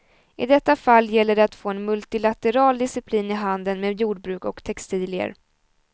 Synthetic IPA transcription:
ɪd̪ɛt̪ːafalːjɛlːəɖɛat̪foːɛnmɵlt̪ɪlat̪ɛɾɑːld̪ɪsɪpʰliːnɪɦand̪ənmeːd̪juːɖ̚bɾʉ̟ːkɔkt̪ʰɛkst̪iːlɪə̰ɾ

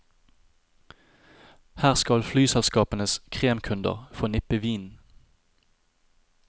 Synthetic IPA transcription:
hæːʁskɑlflyːsɛlskɑːpənəskʰʁeːmkʰʉnd̪ə̰ʁfɔnɪpəʋiːn

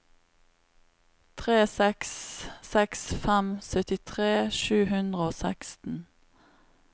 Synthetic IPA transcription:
t̪ʰʁeːsɛkssɛksfɛmsœt̪ɪt̪ʰʁeːʃʉːhʉnd̪ʁəoːsækst̪n̩

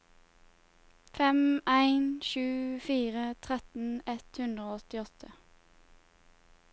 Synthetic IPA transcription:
fɛmæɪnʃʉːfiːʁət̪ʰʁɛt̪n̩ɛt̪hʉnd̪ʁəoːɔt̪ɪɔt̪ʰə

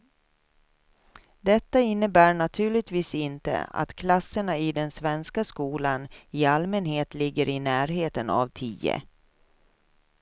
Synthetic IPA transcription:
d̪ɛt̪ːaɪnːəbæːɳat̪ʰʉ̟ːɭɪt̪viːsɪnt̪ə̰a̰t̪kʰlasːəɳaɪd̪ɛnsvɛnskaskuːlanɪalmɛnheːt̪lɪɡːəɾɪnæːɾɦeːt̪əna̰vt̪ʰiːə̰

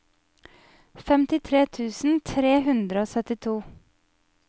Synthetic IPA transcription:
fɛmt̪ɪt̪ʰɾeːt̪ʰʉːsn̩t̪ʰɾeːhʉnd̪ɾəoːsœt̪ɪt̪ʰuː

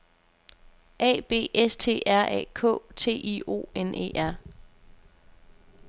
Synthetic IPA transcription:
ʔɛ̰ːb̥e̝̰ːest͡sʰe̝̰ːæɐ̰ʔɛ̰ːkʰɔ̰̽ːt͡sʰe̝̰ːʔio̝̰ːenʔe̝̰ːʔæɐ̰

